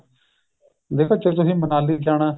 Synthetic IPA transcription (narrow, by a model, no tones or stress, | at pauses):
d̪eːkʰoːt͡ʃeːt̪̬ʊsĩːmənaːliːkaːɽaː